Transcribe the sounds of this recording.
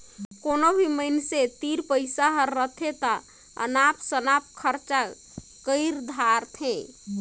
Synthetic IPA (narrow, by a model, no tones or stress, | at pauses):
konobʱiməɪnset̪iɾpəɪsaɦəɾːət̪ʰet̪ə | ə̰napsənap̚kʰəɾt͡ʃa | kəɪɾd̪ʱaɾt̪ʰẽ